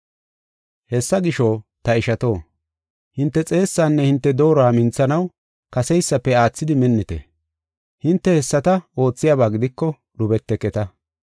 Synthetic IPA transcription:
hɛsːɐɡɪʃot̪ɐɪʃɐt̪o̞ː | hɪnt̪ːɛt͡sʼe̞ːsːaːnːɛhɪnt̪ːɛd̪o̞ːɾɔaːmɪnt͡sːɐnɐw | kɐsɛjsːɐpːɛaːt͡sːɪd̪ɪmɛnːɪt̪ɛ̰ | hɪnt̪ːɛhɛsːɐt̪ɐo̞ːt͡sːɪjaːbaːɡɪd̪ɪkːɔ | ɗʊbɛt̪ːɛkɛt̪ɐ

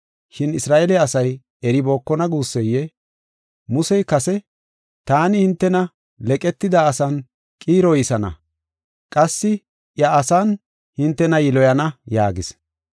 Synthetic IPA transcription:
ʃɪnɪsɾaːʔɛlɛɐsɐj | ɛɾɪbo̞ːkːɔnɐɡuːsːɛjːɛ | mʊsɛjkɐsɛ | t̪aːnɪhɪnt̪ːɛnɐ | lɛkʼɛt̪ːɪd̪ɐːsɐn | kʼiːɾɔjɪsɐnɐ̰ | kʼɐsːɪ | ʔjɐːsan | hɪnt̪ːɛnɐjɪlɔjɐnɐjaːɡɪs

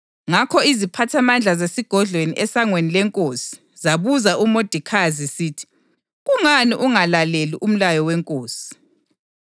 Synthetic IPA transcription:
ŋakʰɔizipʰatʰamand͡ɮʱazesiɡ̥ʱɔɮʱweniʔɛsaŋwenilɛŋkʼoːsi̥ | zaβuzaʔumod̥ʱikʰazisiːtʰi̥ | ɣuŋaniʔuŋalaleliʔum̩lajɔwɛŋkʼoːsi̥

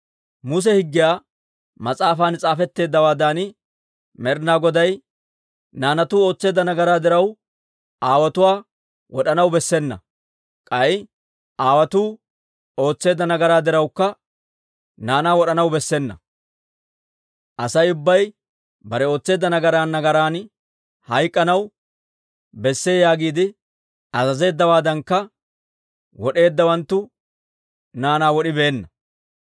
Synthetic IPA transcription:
mʊs̬ɛhɪɡːɪjaː | mɐt͡sʼaːfaːnt͡sʼaːfɛt̪ːe̞ːd̪ːɐwaːd̪aːnɪ | mɛɾnaːɡɔd̪ɐj | naːnɐt̪uːo̞ːt͡sːe̞ːd̪ːɐnɐɡɐɾaːd̪ɪɾɐw | ʔaːwɐt̪ʊwaː | wɔɗɐnɐwbɛsːɛnːɐ̰ | kʼɐj | aːwɐt̪uː | o̞ːt͡sːe̞ːd̪ːɐnɐɡɐɾaːd̪ɪɾɐwkːɐ | naːnaːwɔɗɐnɐwbɛsːɛnːɐ̰ | ʔɐsɐjʊbːɐj | bɐɾɛo̞ːt͡sːe̞ːd̪ːɐnɐɡɐɾaːnːɐɡɐɾaːn | hɐjkʼːɐnɐw | bɛsːe̞ːjaːɡiːd̪ɪ | ɐzɐze̞ːd̪ːɐwaːd̪ɐŋkːɐ | wɔɗe̞ːd̪ːɐwɐnt̪ːʊ | naːnaːwɔɗɪbe̞ːnːɐ

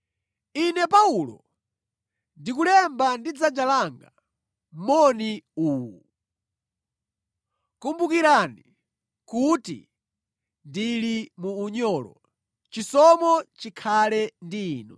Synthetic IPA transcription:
inɛpaulɔ̰ | ndikulɛmbandid͡zad͡ʒalaŋɡa̰ | mɔniuːwu | kumbukiɾani | kutḭ | ndilimuːɲɔːlɔ̰ | t͡ʃisɔmɔt͡ʃikʰalɛndiːnɔ

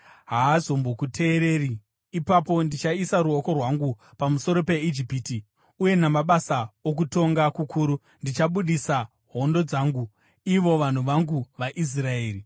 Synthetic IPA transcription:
ɦaːzo̞mbo̞kutʰe̞ːɾe̞ːri | ipapo̞ndit͡ʃaisaɾuoko̞rwaŋɡu | pamuso̞ɾo̞pe̞id͡ʒipiti | uje̞namaɓasaok̬uto̞ŋɡakukʰuːɾu | ndit͡ʃaɓuɗisa | ɦo̞ndo̞d͡zaːŋɡu | iʋo̞ʋan̤uʋaŋɡuʋaʔis̬rae̞ːri

